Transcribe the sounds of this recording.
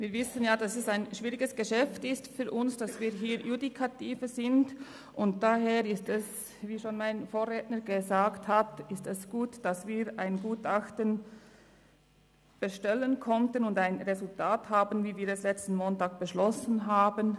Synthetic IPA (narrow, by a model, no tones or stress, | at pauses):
viːvɪsənjaːdasɛsaɪnʃv̥iːʁɪɡəsɡ̥əʃɛftɪstfyːɾʔʊnsd̥asv̥iːɦiːɾjudikʰatiːfəzɪnd | ʔʊnt̚d̥aɦeːʁɪstɛs | viːʃoːnmaɪnfoːʁeːtnəɡəzaːkthatɪstɛsɡ̥uːtd̥asv̥iːʁʔaɪnɡuːtaxtən | b̥əʃtɛlənkʰɔntənʊndaɪnʁezʊltʰaːthaːbənviːviːɾɛslɛt͡stn̩moːntaːk̚b̥əʃlɔsən̩ɦaːbən